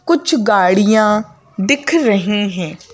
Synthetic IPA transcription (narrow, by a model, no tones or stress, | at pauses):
kʊt͡ʃʰɡaːɽɪjãː | d̪ɪkʰɾəɦĩːɦɛ̃ː